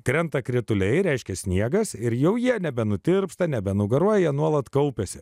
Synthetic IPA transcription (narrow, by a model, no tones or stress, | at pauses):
kɾʲɛnt̪ɐkɾʲɪt̪ʊlʲɛɪɾʲɛɪʃʲkʲɛsʲnʲiɛɡɐsɪɾjɛʊjiɛnʲɛbʲɛnʊt̪ʲɪɾpst̪ɐnʲɛbʲɛnʊɡɐɾuɔjɛjɛnuɔlˠɐt̪kɐʊpʲɛsʲɪ